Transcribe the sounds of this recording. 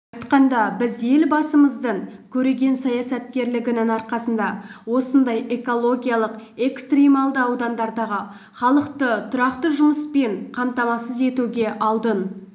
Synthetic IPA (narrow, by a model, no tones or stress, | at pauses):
ɑjt̪qɑnd̪ɑbɪzje̞lbɑsəməzd̪əɴkʲʰɵɾe̞ɡʲe̞nsɑjɑsɑt̪̚kʲe̞ɾlɪɡʲɪnɪŋɑɾqɑsənd̪ɑwo̞sənd̪ɑje̞ko̞lˠo̞ɡʲijɑlˠəqe̞kst̪rʲimɑlˠd̪əɑwd̪ɑnd̪ɑɾd̪ɑʁə | χɑlˠəqt̪ət̪ʰʊɾɑqt̪əʒʊməspe̞ɴqʰɑmt̪ɑmɑsəze̞t̪uɡʲe̞ʔɑlˠd̪ən